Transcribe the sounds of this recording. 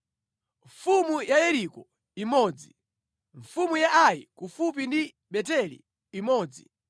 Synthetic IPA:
ɱfumujajɛɾikɔ | imɔːd͡zi | ɱfumujaʔajikufup̬indi | ɓɛtɛlḭː | mɔːd͡zḭ

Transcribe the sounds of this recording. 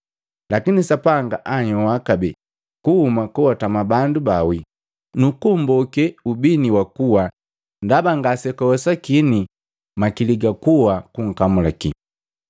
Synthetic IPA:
lakinisapaŋɡaʔaɲɔwakabɛ | kuhumakuwatamabandubawi | nukumbɔkɛubiniwakuwa | ndabaŋɡasɛkɔɔsakini | makiliɡakuwakuŋ̩kamulakḭ

